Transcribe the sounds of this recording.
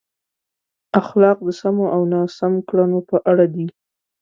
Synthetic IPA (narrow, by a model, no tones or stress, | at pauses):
axlɑq̚d̪əsamoʔawnɑsamkɽanopəʔaɽad̪i